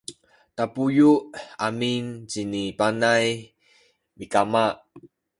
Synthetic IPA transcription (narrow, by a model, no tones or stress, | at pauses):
tapujuʔamint͡ɕinipanaj | mikamaʔ